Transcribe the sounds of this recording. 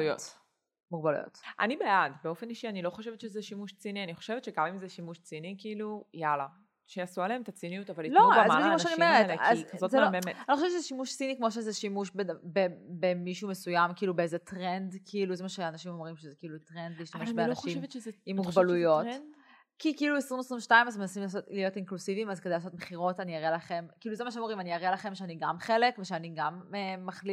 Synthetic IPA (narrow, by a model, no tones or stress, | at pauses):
ujo̰t | muɡbalṵjo̰t̪ʔa̰nibeadbeo̞feniʃianilo̞χoʃevetʃezɛʃimuʃt͡sinianiχoʃevett͡ʃʃeɡamimzeʃimuʃt͡sinikiːlujala | ʃeasualeemt̪at͡sinijutavalitloaazamoʃaniomeʁetazzotzememeanixoʃett͡ʃezɛʃimuʃt͡sinikmo̞ʃ̬ezeʃimuʃbebebemiʃuumesujamkiiːlubeezetʁendkʰiiluzemaʃeanaʃimomʁimʃezekiiːlutʁend̪liːʃt̪ameʃbeaaʃivimːuɡbalujo̞t | kikiiːluesʁimvesʁimʃtaimazemenasimlaːso̞tlijo̞tinklusivimazked̪ejlaːso̞tmeχiʁo̞taniaʁelaχe̞mkiiːluzemaʃemoʁimaniaʁelaχe̞mʃeaniɡamχe̞lekveʃeaniɡameːaχli